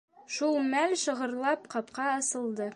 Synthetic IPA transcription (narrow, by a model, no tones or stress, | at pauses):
ʃulˠmælʃɤ̆ʁɤ̆ɾlˠɑpqɑpqɑɑsɤ̆lˠd̪ɤ